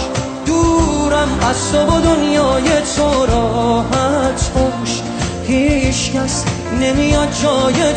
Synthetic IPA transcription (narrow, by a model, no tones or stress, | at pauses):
d̪uːɾæmæsobod̪onjɒːjet̪ʰoɾɒːɦæt̪ʰpoʃ | hiːʃcæs | nemijɒd̪̚d͡ʒɒːje